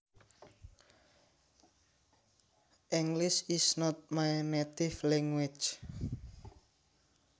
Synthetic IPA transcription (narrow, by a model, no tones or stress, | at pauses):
ʔiŋɡliʃisnɔt̪̚majnet̪iflɛŋwɪ̥t͡ʃ